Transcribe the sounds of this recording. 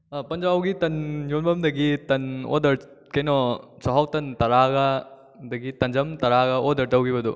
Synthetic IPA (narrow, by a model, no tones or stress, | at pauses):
pɐnd͡ʒawɡit̪ɐnjonbɐmd̪ɐɡit̪ɐno̰d̪ɐɾ | kɐjnɔt͡ʃɐɦɐwt̪ɐnt̪ɐɾaɡɐ | d̪ɐɡit̪ɐnd͡ʒɐmt̪ɐɾaɡɐod̪ɐɾtɐwɡibɐd̪ṵ